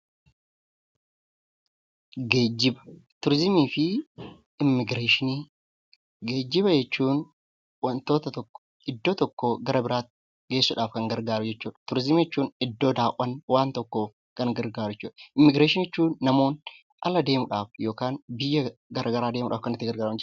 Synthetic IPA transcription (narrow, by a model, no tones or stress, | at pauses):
ɡeːd͡ʒːɪbɐ̥t̪ʊɾzɪmiːfɪ | ɪmːɪɡɾeːʃɪni | ɡeːd͡ʒːɪβɐd͡ʒɛt͡ʃːuːn | wɐnt̪o̞ːt̪ɐt̪ɔkːɔ̥ | ɪd̪ːoːt̪ɔkːoːɡɐɾɐbɪɾaːt̪ | ɡe̞ːsːʊᶑaːfkɐŋɡɐɾɡaːɾʊd͡ʒɛt͡ʃːuːᶑɐ̥t̪ʊɾzɪmjɛt͡ʃːuːnɪd̪ːo̞ːd̪aːʔɐnwaːnt̪ɔkːoːf | kɐŋɡɐɾɡaːɾɛt͡ʃːuːᶑɐ̥ʔɪmːɪɡɾeːʃɪnɛt͡ʃːuːnːɐmo̞ːn | ʔɐlɐd̪e̞ːmʊᶑaːfjo̞ːkaːnbɪjːɐɡɐɾʔɐɡɐɾaːd̪e̞ːmʊᶑaːfkɐnɪt̪ːɪɡɐɾɡaːɾɐmd͡ʒ